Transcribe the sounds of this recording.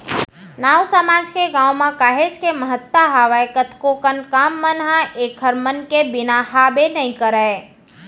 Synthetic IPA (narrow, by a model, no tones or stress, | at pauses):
nawsamad͡ʒkeɡãːwmãkaɦet͡ʃʰkeməɦət̪waɦaʋaekət̪ʰkokənkamːənɦãʔekʰəɾmənkebinahabenəĩkəɾəe